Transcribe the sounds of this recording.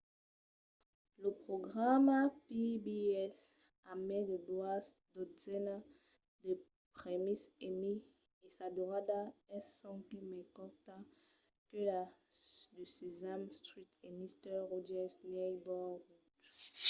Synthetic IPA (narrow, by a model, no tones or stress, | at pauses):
ləpχoɡʁamapibiɛs | amɛ̃dədwas | d̪ozɛna | d̪ə | pχemisemi | esad̪oʁad̪aɛsɔ̃kemɛ̃kɔʁt̪ã | kəla | disizamstʁit̪emist̪ɛʁɔd͡ʒɛsnɛbɔɡ